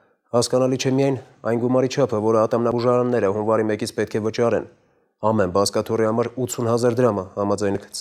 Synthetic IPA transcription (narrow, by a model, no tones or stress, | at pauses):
hɑskɑnɑlit͡ʃʰɛmijɑjn | ɑ̰jnɡumɑɾit͡ʃʰɑpʰəvɔɾəɑt̪ɑmnɑbuʒɑɾɑnːɛɾəhumvɑɾimɛkit͡sʰpɛt̪̚kʰɛvət͡ʃɑɾɛn | ɑmɛnbɑskɑt̪ʰurihɑmɑɾut̪t͡sʰunhɑzɑɾd̪əɾɑməhɑmɑd͡zɑjnɛkʰ